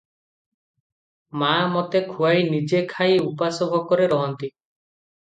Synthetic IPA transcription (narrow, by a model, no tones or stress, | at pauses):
mamot̪ekʰuajnid͡ʒekʰajupasobʱɔkɔɾeɾɔɦɔnt̪i